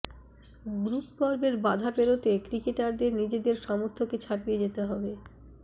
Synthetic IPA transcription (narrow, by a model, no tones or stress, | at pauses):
ɡɾupkɔɾbeɾbad̪ʱapeɾot̪ekɾikeʈaɾd̪eɾnid͡ʑed̪eɾʃɔmoɾt̪ʰoket͡ɕʰapijed͡ʑet̪eɦɔbe